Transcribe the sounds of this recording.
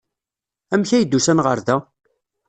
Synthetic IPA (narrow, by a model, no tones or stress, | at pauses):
æmçæjd̪ːusænʁəɾðæ